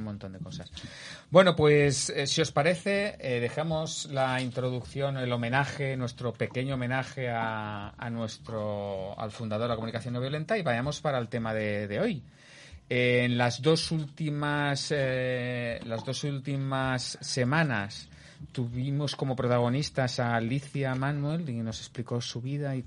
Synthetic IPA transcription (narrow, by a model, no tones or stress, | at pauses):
mõnt̪o̞nd̪e̞ko̞sasbwe̞no̞pwe̞ssio̞spaɾe̞θe̞eðe̞xamo̞zlaint̪ɾo̞ðukθjo̞nelo̞menaxe̞nwe̞st̪ɾo̞pe̞ke̞ɲoːmẽ̞naxe̞aa̰nwe̞st̪ɾoa̰lfund̪aðo̞ɾlakomunikaθjo̞noβjolẽ̞nt̪aiβaʝamo̞spaɾaelt̪e̞maðe̞ðe̞o̞j | enlazðo̞sult̪imase | lazðo̞sult̪imasːe̞mãnas | t̪uβimo̞sko̞mo̞pɾo̞t̪aɣ̞o̞nist̪asaliθjamãnwelino̞se̞spliko̞suβiðai